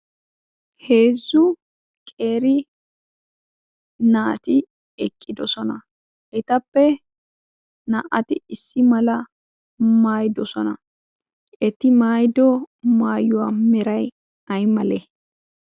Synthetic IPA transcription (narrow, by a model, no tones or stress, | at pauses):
he̞ːzːʊ | kʼe̞ːɾɪ | naːt̪ɪ | ɛkʼːɪd̪ɔsɔnɐ | ʔɛt̪ɐpːɛ | nɐʔɐt̪ɪɪsːɪmɐlɐ | maːjd̪ɔsɔnɐ | ʔɛt̪ːɪmaːjd̪ɔmaːjʊwamɛɾɐj | ɐjmɐlɛ